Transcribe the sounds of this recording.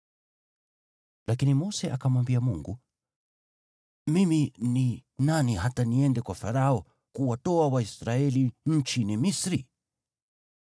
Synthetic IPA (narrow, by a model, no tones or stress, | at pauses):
lʔakinimɔsɛʔakamwambiamuŋɡu | mimininaniɦataniɛndɛkwafaɾaɔ | kuwatɔawaisɾaɛliɲ̩t͡ʃinimisɾi